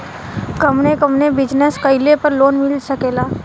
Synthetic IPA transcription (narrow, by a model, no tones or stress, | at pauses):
kəmnekəmnebɪd͡ʒnəskəɪlepɐɾloːnmɪlsəkeːlaː